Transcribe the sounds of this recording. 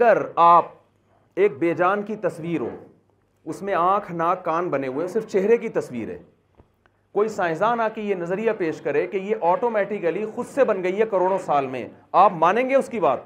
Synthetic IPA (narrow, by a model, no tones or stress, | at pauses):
ɐɡəɾaːp̚ | eːk̚beːd͡ʒaːnkit̪ɐswiːɾɦo̰ː | ʊsmẽãːkʰnaːkːaːnbɐneɦuesɪɾft͡ʃeɦɾekit̪ɐsʋḭːɾɦɛ̰̃ː | koːisãːɪ̃zaːnaːkijenɐzɾijapeːʃkɐɾekejeʔɔːʈoːmɛːʈɪkəlixʊd̪sebɐnɡɐiɦɛkɐɾoːɽ̃õsaːlmḛ̃aːpmaːnẽːŋɡeʊskiba̰ːt̪̚